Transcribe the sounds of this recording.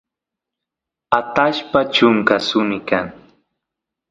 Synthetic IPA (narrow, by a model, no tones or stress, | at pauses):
at̪aʃpat͡ʃʊŋkasʊnɪkaŋ